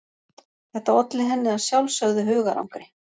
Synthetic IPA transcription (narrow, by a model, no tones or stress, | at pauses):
θɛht̪aɔt̪lɪɦɛnːɪaðsjawlsœɣðʏɦʏːɣaɾʔa̰wŋkɾɪ